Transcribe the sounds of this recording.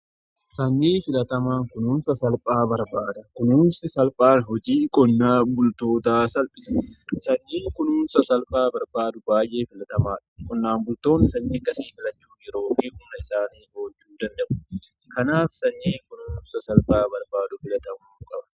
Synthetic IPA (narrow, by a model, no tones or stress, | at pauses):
sɐɲːiːfɪlɐt̪ɐmaːŋkʊnuːnsɐsɐlpʼaːbɐɾbaːd̪ɐkʊnuːnsɪsɐlpʼaːnɦɔd͡ʒiːkʼɔnːaːbʊlt̪o̞ːt̪aːsɐlpʼɪsɐsɐɲːiːŋkʊnuːnsɐsɐlpʼaːbɐɾbaːd̪ʊbaːjʔe̞ːfɪlɐt̪ɐmaːᶑʊ̥kʼɔnːaːnbʊlt̪o̞ːnːɪsɐnːiːɐkːɐsiːfɪlɐt͡ʃːuːɪɾo̞ːfɪkʊnːɐɪsaːniːhoːd͡ʒːuːd̪ɐnd̪ɐʔʊ | kɐnaːfsɐɲːiːŋkʊnuːnsɐsɐlpʼaːbɐɾbaːd̪ʊfɪlɐt̪ɐmaːʊkʼɐbɐ̥